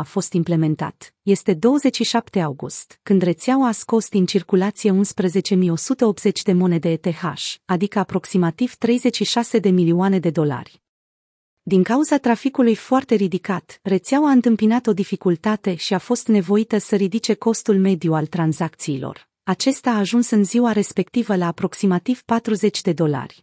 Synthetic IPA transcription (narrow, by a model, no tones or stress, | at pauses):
afo̞st̪imple̞me̞nt̪a̰t̪je̞st̪e̞d̪o̞wəzet͡ʃʃiʃapt̪e̞awɡust̪kɨnd̪re̞t̪seawaːsko̞st̪int͡ʃirkulat̪sijeunspɾəze̞t͡ʃe̞mijo̞sut̪əo̞p̪z̥e̞t͡ʃʲd̪e̞mo̞ne̞d̪e̞ːt̪e̞ha̰ʃad̪ikəapɾo̞ksimat̪iv̥t̪ɾe̞jze̞t͡ʃʃiʃase̞d̪e̞milioane̞d̪e̞d̪o̞la̰rʲ | d̪iŋkauzat̪ɾafikulujfoart̪e̞ɾid̪ikat̪ret̪seawaɨnt̪ɨmpinat̪o̞d̪ifikult̪at̪e̞ʃiafo̞st̪ne̞vo̞it̪əsəɾid̪it͡ʃe̞ko̞st̪ulme̞d̪ijualt̪ɾanzak̚t̪siːlo̞̰r | at͡ʃe̞st̪aːʒunsɨnziwaɾe̞spe̞k̚t̪ivəlaːpɾo̞ksimat̪iv̥pat̪ɾuze̞t͡ʃʲd̪e̞d̪o̞la̰rʲ